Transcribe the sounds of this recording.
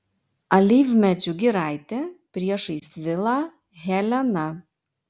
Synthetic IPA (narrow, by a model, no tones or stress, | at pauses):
ɐlʲiːʋʲmʲɛt͡ʃʲʊɡʲɪɾɑˑɪt̪ʲepʲɾʲiɛʃɐɪsʋʲɪlˠɑː | ɣʲɛlʲɛnɐ